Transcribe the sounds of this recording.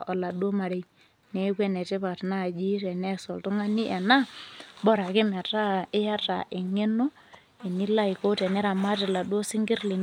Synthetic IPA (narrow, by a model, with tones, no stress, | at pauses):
ɔ˨la˨du˦o˦ma˨ɾe˦ | nɛ˨˦kwɛ˦nɛ˨tɪ˦pa˨tna˦˨d͡ʒi˦ɾɛ˨nɛ˦sɔ˨ltʊ˦ŋa˦ni˦ʔɛ˨na˦bɔ˦ɾa˨kɪ˦mɛ˨ta˦ɪ˦ja˦ta̰˨ʔɪ˨ŋe˦nɔ˦ | e˨ni˦la˦i˨ko˦tɛ˨nɛ˦ɾa˨ma˦tɪ˨la˨du˦o˦sɪ˦ŋɡɪ˦ɾle˨n